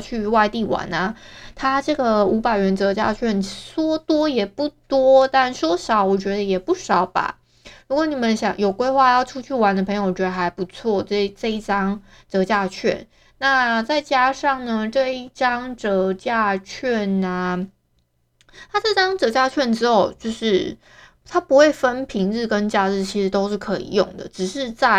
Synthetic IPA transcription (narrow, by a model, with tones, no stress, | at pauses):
t͡ɕʰy˥˩˧wa˥˧ɪt̪i˥˩wa̰˧˥˦nɐ˦t̪ʰa˥ʈ͡ʂɤ˥˩ɡə˩u˧˥pa˨˩ɪɥɛ˧˥nt͡sɤ˧˥t͡ɕja̰˥˧t͡ɕʰɥɛ˥˩nswɔ˥t̪wɔ˥jɛ˨˩pu˥˩t̪wɔ˥t̪a˥˩nswɔ˥ʂɑ˨˩˦ʊwɔ˨˩t͡ɕɥɛ˧˥d̪ə˧jɛ˨˩pu˥˩ʂɑ˨˩ʊba̰˨˩ | ɻu˧˥kwɔ˧˩ni˨˩mə˦nɕjɑ̰˨˩ŋjo˨˩ʊkwe˥ɪxwa˥˧jɑ˥˩ʊʈ͡ʂʰu˥t͡ɕʰy˥˩wa˧˥nd̪ə˧pʰɤ˧ŋjo˧˩ʊ˩t͡ɕɥɛ˧˥d̪ə˧˩xa˧˥ɪpu˧˩t͡sʰwɔ˥˩ʈ͡ʂɤ˥˧ʈ͡ʂɤ˥˧i˥˩ʈ͡ʂɑ˥ŋ | t͡sɤ˧˥t͡ɕja˥˧t͡ɕʰɥɛ̰˥˩n | na˥˨t͡sa˥˩ɪt͡ɕja˥ʂɑ˥˩ŋnə˩ʈ͡ʂɤ˥˧i˥˩ʈ͡ʂɑ˥ŋʈ͡ʂɤ˧˥t͡ɕja˥˧t͡ɕʰɥɛ˥˩na˩ | t̪ʰa˥ʈ͡ʂɤ˥˧ʈ͡ʂɑ˥ŋt͡sɤ˧˥t͡ɕja˥˧t͡ɕʰɥɛ˥˩nʈ͡ʂɻ̩˥xo˥˧˩ʊt͡ɕjo˥˧ʊʂɻ̩˥˩ | t̪ʰa˥pu˧˥xwe˥˩ɪfə˦npʰi˧˥ŋɻ̩˥˧kə˦nt͡ɕja˥˧t͡sɻ̩˥˩t͡ɕʰi˧˥ʂɻ̩˧˥t̪o˥ʊʂɻ̩˥˩kʰɤ˧˦ḭ˨˩jʊ˥˨˩ŋd̪ə̰˩ʈ͡ʂɻ̩˨˩ʂɻ̩˥˧t͡sa˥˩